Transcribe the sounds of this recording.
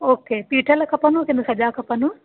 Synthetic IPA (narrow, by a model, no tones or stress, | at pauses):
oːkeːpiːʈʰəlkʰɐpənũkɪ̃nʊsɐʄaːkʰɐpɐnu